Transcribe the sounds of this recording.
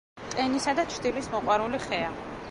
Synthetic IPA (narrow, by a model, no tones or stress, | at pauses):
t̪ʼɛnisad̪at͡ʃʰɾd̪ilismɔqʼwaɾuliχɛa